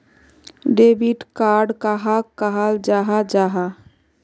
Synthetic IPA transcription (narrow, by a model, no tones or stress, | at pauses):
ɖebiʈkaːɾɖkaɦakəɦald͡ʒaːɦad͡ʒaːɦa